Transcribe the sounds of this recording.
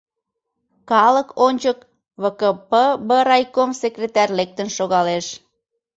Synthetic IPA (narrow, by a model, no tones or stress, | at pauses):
kɑləkʰonʲt͡ɕək | βəkəpəbəɾɑjkomsekrʲet̪ɑrʲlek̚t̪ənʃoɣɑleʃ